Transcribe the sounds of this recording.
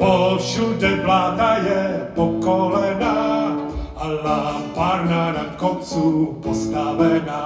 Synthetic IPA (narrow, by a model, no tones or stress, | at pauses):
oʃudɛvlaːdajɛpokolɛna | ʔalapaːɾnanakot͡supost̪avɛna